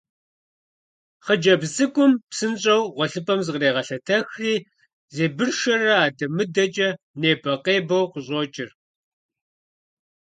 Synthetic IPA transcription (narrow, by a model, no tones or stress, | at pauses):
χəd͡ʒɐbzɨkʷʼʊmpsɨnɕʼɐwʁʷɔɬɨpʰʼɐmzɨqreːʁɐɬɐtʰɐxiː | zeːbɨrʃɐrɐaːdɐmɨdɐt͡ʃʼɐ | neːbɐqeːbɐwqʷʊʑʼoːt͡ʃʼɪr